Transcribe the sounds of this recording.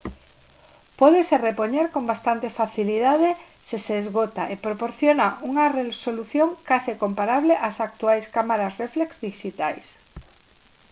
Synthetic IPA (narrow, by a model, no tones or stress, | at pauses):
pwoðeserepoɲeɾko̞mbast̪ant̪e̞faθiliðað̞e | seseːzɣot̪aepɾopoɾθjonaʔuŋareso̞luθjo̞ŋkasiko̞mpaɾaβ̞leʔasak̚t̪uajskamaɾazreflekzðiʃit̪a̰js